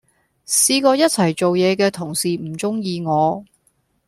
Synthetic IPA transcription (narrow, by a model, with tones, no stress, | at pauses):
siː˧kɔː˧jɐ˥t̚t͡sʰɐ˨˩jt͡so˨wjɛː˨˧kɛː˧t̪ʰʊ˨˩ŋsiː˨˩m̩˨˩t͡sʊ˥ŋjiː˧ŋɔː˨˧